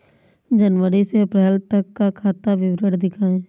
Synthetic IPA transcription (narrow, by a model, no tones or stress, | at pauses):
d͡ʒənʋəɾiseɐpɾɛːlt̪ɐkːakʰaːt̪aʋɪʋɾəɽd̪ɪkʰaːẽː